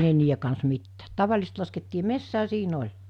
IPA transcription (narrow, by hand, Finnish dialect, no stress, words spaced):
ne niːje kɑns mitːæːt tɑʋɑlĭsest lɑsketːiː mesːæː siːn olʲ